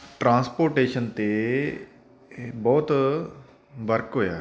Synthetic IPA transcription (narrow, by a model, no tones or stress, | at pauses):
ʈɾãːspoːɾʈeːʃənt̪eː | bɔːt̪ | ʋəɾkɦoːja̰ː